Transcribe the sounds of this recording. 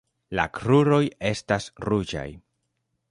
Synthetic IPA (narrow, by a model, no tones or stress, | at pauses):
la̰kɾuɾo̞je̞stasɾud͡ʒa̰j